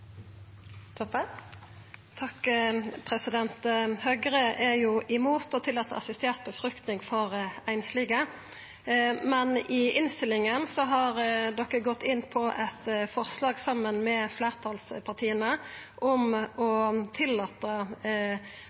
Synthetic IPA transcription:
t̪ʰɔp | t̪ʰɑkpʰʁɛsɪd̪ɛnt̪hœɡəʁəʔɛjʊʔɪmuːt̪ɔt̪ʰɪlːɑːt̪ːəʁɑ̰sɪst̪eːʁt̪̚bəfʁʉkt̪nɪŋfɔʁæɪnsliːɡə | mɛnɪɪnst̪ɪlɪŋənsɔɦɑʁd̪ɔkːəɡɔt̪ːɪnːpʰɔʔɛt̪fɔʁslɑːɡsɑmːənmɛːfleːʁt̪ʰɑlspʰɑʁt̪ʰiːənəʔɔmɔt̪ʰɪlːɑːt̪ə

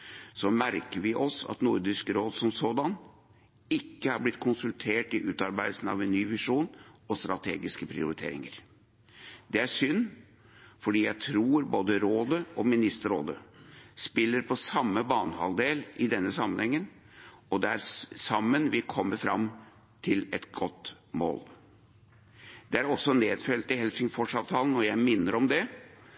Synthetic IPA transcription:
sɔmæɾkəɾʋɪʔɔsɑ̰t̪nʊɾd̪ɪskɾoːd̪sɔmsoːd̪ɑn | ɪkːəhɑɾblɪt̪ːkʰʊnsʉlt̪ʰeːʈɪʔʉːt̪ɑɾbæɪlsn̩ɑ̰ʋɛnːyːʋɪʂuːnɔst̪ɾɑt̪ʰḛːɡɪskəpʰɾɪ̰ʊɾɪt̪ʰḛːɾɪ̰ŋəɾ | d̪̥ɛæʂʏnː | fɔɖiːjæɪt̪ʰɾuːɾboːd̪əɾoːd̪əʔɔmɪnɪst̪əɾo̰ːd̪ə̰spɪlːəɾpʰɔsɑmːəbɑːnəhɑ̰ld̪eːlɪd̪ɛnːəsɑmːənhɛŋːən | ɔd̪ɛæɾsɑmːənʋɪkʰɔmːəɾfɾɑ̰m | t̪ʰɪlɛt̪ɡɔt̪ː | mo̰ːl | d̪̥ɛæɾɔsːɔneːd̪fœlət̪ɪhɛlsɪŋfɔʂɑːʋt̪ʰɑːlən̩ɔjæɪmɪnːəɾɔmd̪ɛ

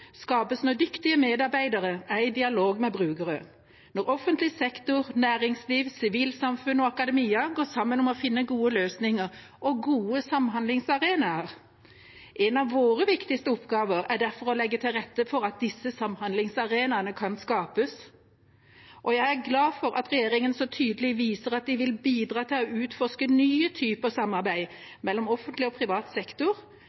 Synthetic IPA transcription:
skɑːpəsnuːd̪ʏkt̪ɪəmeːd̪ɑɾbæɪd̪ɑʁəæɪd̪ɪɑloːɡmɛbɾʉːɡəɾə | nɔʁɔfːənt̪lɪsɛkt̪ʊɾnæːɾɪŋsliːʋsɪʋiːlsɑmfʉnɔɑkɑd̪ɛmiːɑɡoːsɑmːənɔmɔfɪnːəɡuːəløːsnɪŋəɾ | ʔɔɡuːəsɑmhɑnd̪lɪŋsɑʁeːnɑəɾ | ʔɛnɑʋːoːɾəʋɪkt̪ɪst̪əʊpɡɑːʋəɾæɖæɾfɔɾɔlɛɡːət̪ʰɪlʁɛt̪ːəfɔɾɑt̪̚d̪ɪsːəsɑmːhɑnd̪lɪŋsɑʁeːnɑnəkʰɑnskɑːpəs | ʔɔjæɪæɾɡlɑːfɔɾʔɑ̰t̪ʁɛjeːɾɪŋənsɔt̪ʰyːd̪əlɪʋiːsəɾɑt̪̚d̪ɪʋɪlbiːd̪ɾɑːt̪ʰɪlɔʉːt̪fɔʁʂkənyːət̪ʰyːpəəsɑmːɑɾbæɪ | mɛlːɔmɔfːənt̪lɪɔpʰɾɪʋɑːt̪sɛkt̪ʊɾ

